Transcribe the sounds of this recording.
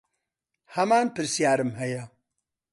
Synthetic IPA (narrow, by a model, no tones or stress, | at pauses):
hɐmaːnpɨɾsijaːɾɨmhɛjɐ